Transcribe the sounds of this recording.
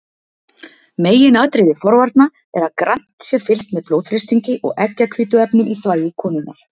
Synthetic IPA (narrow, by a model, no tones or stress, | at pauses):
meːjɪnaːt̪ɾɪðɪfɔɾvaɾt̪na | ɛɾaðkɾan̥t̪sjɛfɪlst̪mɛðploːwðfɾɪst̪iɲcɪʔɔ̰ɣɛcːakʰviːt̪ʏɛpnʏmiθvaːjɪkʰɔːnʏnːa̰ɾ̥